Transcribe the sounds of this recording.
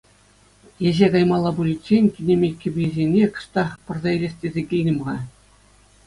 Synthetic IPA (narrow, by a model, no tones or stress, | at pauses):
jeʑeɡɑjmɑlˠːɑbulʲit͡ɕenʲkʲinʲemʲekʲːĭbʲizʲenʲekɤ̥̆ʂt̪ɑχpɤ̆rzɑilʲesʲtʲezʲekʲijnʲɤ̆m̆ʁɑ